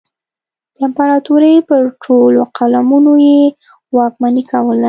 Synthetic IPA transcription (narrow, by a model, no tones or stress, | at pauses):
d̪̥əɪmpaɾɑt̪uɾejpəɾʈʰoloqʰalamunoje | wɑkmanikawəl